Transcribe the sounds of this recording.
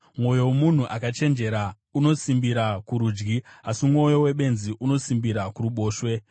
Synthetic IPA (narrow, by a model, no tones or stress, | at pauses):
mwo̞jo̞womun̤uʔakat͡ʃe̞nd͡ʒe̞ɾa | uno̞simbiɾakuɾuːd͡ʒɡiasimŋo̞jo̞we̞ɓe̞nziʔuno̞simbiɾakuruɓo̞ːʃwe̞